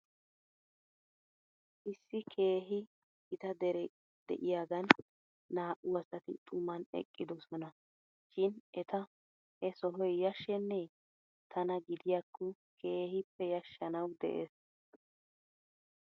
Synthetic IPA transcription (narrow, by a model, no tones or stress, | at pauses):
ʔɪsːɪkʰe̞ːɦɪ | ɪt̪ɐd̪ɛɾɛ | d̪ɛ̰ʔɪjaːɡɐnː | aːʔʊɐsɐt̪ɪ̰t̪ʼʊmːɐnɛ̰kʼːɪd̪ɔsɔnɐ | ʃɪnʔɛt̪ɐ | hɛsɔɦɔjjɐʃːɛnːɛ | t̪ʰɐnɐɡɪd̪ɪjakʰːɔ | kʰeːhɪpːɛjɐʃːɐnɐwd̪ɛ̰ʔeːs